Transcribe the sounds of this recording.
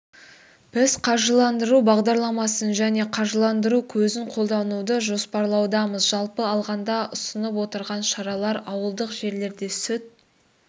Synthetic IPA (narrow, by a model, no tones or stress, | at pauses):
b̥ɪzqʰɑʒəlˠɑnd̪əɾubɑʁd̪ɑɾlˠɑmɑsənʒæne̞qʰɑʒəlˠɑnd̪əɾukʲʰɵzɪɴqʰo̞lˠd̪ɑnud̪əʒo̞spɑɾlˠɑwd̪ɑməzʒɑlˠpəɑlˠʁɑnd̪ɑʔʊsənəp̬wo̞t̪əɾʁɑnʃɑɾɑlˠɑɾɑwəlˠd̪əqʒe̞ɾle̞ɾd̪e̞sʏt̪̚